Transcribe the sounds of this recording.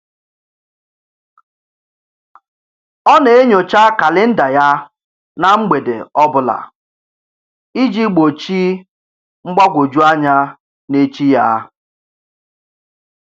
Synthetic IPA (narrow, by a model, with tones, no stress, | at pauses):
ɔ˦ne˨e˦ɲo˨t͡ʃa˦ka˨lɪ˦n̩˦da˨ja˦ | na˨ŋ͡m̩˦ɡ͡be˨dḛ˨ɔ˦bʊ˦la̰˨ | i˦d͡ʒi˦ɡ͡bo˨t͡ʃi˦ | ŋ͡m̩˦ɡ͡ba˦ɡʷo˨d͡ʒu˦a˦ɲa˦ | ne˦t͡ʃi˦ja˦